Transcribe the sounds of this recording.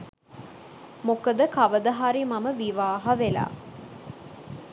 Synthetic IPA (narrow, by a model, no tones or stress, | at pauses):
mokəd̪əkaʋəd̪əɦaɾimaməʋiʋaːɦaʋela̰ː